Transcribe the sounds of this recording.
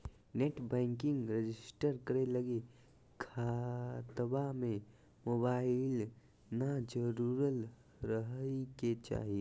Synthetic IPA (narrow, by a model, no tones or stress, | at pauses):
neʈbɛ̃ːŋkɪ̃ŋɡɾed͡ʒɪsʈəɾkəɾeləɡe | kʰat̪bamẽ | mobaːɪl | nad͡ʒəɾuɾəl | ɾəɦiket͡ʃa̰ːɦi